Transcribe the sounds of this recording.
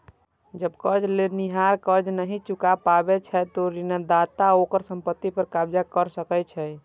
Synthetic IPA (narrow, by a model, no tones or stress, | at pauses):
d͡ʒəbkəd͡ʒleniɦaɾkəd͡ʒnəɦit͡ʃukapabet͡ʃʰɛt̪oɾinəd̪at̪aokəɾsə̃mpət̪ːipəɾkabd͡ʒakəɾsəkɛt͡ʃʰɛ